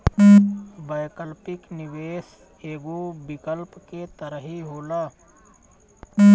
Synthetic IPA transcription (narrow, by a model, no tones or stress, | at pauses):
bəjkəlpɪknɪʋeːs | eːɡobɪkəlpket̪əɾəɦiɦoːlaː